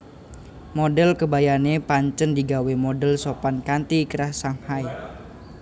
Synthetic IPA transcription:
modɛlkəbajanepaɲt͡ʃəndiɡawemodɛlsopankant̪ikəɾasaŋhaj

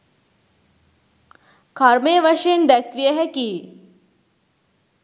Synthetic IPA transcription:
kʰaɾmeːʋɐʂend̪ɛkʋijəɦɛkiː

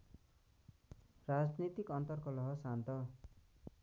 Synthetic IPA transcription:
rad͡znit̪ikʌnt̪ʌrkɔlʌɦʌsant̪ʌ

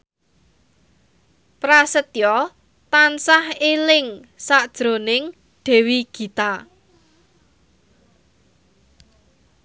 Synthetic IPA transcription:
pɾasət̪jɔ | t̪ansahelɪŋsad̥ʒ̥ɾonɪŋ | ɖ̪̥ɛ̤wiɡ̥i̤t̪a

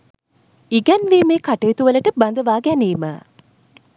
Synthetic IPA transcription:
iɡɛnʋeːmeːkaʈɐjit̪uʋələʈəbɐnd̪əʋaːɡæniːmə̰

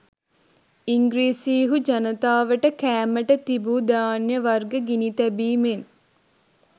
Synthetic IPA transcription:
iŋɡɾiːsiːɦud͡ʒɐnət̪aːʋəʈəkæːməʈət̪ibud̪aːnjəʋɐrɡəɡinit̪ɛbiːmen

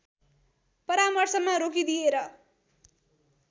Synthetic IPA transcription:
pʌɾamʌrsʌmːʌɾokid̪ieɾʌ

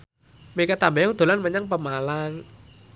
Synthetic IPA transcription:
mekət̪ambɛjaŋd̪̥o̤lanməɲaŋpəmalaŋ

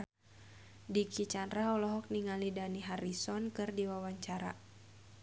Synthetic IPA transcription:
dikit͡ʃanraɦɔlɔɦɔk̚niŋalidaniɦaɾisɔnkɨrdiwawaɲt͡ʃaɾa̰

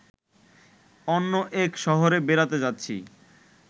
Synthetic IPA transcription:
ɔnːoʔekʃɔɦoɾebeɾat̪ed͡ʑat̪ːɕʰḭ

